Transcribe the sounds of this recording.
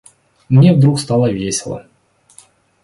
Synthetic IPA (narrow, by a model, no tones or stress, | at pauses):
mnʲevd̪ɾukst̪ɑlˠəvʲesʲɪlˠə̰